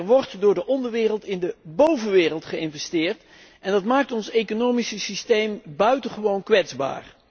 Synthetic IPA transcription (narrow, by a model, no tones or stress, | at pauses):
rʋɔɹtdʊːɹdəʔɔndəɹʋɪːrəlˠtɪndəbowvənʋɪːrəlˠtχəɪnvɛstɪːɹt | ɛndɑtmaːk̚tɔnsejkonowmisəsistejmbœɥtəχəʋownkʋɛdzba̰ːr